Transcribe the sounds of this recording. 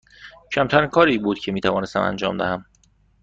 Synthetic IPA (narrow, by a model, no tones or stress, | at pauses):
cʰæmt̪ʰæɾiːnkʰɒːɾiːbuːd̪cʰemiːt̪ʰævɒːne̞st̪æ̰mæ̰nd͡ʒɒ̰ːmd̪æhæm